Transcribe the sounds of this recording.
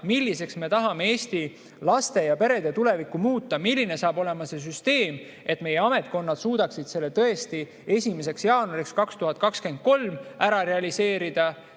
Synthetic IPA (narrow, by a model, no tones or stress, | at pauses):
milːise̞ksme̞t̪ɑɦɑme̞e̞ːst̪i | lɑst̪e̞jɑpe̞ɾe̞d̪̥et̪ule̞vikːˑumuːt̪ˑːɑmilʲːine̞sɑːbo̞le̞mɑse̞s̬yst̪e̞ːm | ʔe̞t̪ːˑme̞je̞ɑme̞t̪̚ˑko̞nːɑd̪̥suːd̪̥ɑksid̪̥se̞lːe̞t̪ɤ̞e̞st̪i | e̞sʲime̞se̞ksjɑːnuɑɾikskɑkst̪uɦɑt̪̚ˑkɑkske̞nd̪̚ko̞lmæɾɑɾe̞ɑlise̞ːɾid̪̥ɑ